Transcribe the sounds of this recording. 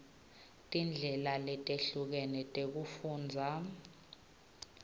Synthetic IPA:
tʼind͡ɮʱɛlalɛtʼeɬuk̬ɛnɛtʼek̬ufuːnd͡zʱa

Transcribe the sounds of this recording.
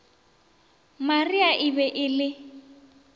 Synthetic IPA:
mariaʔɪbɛʔɪlɪ

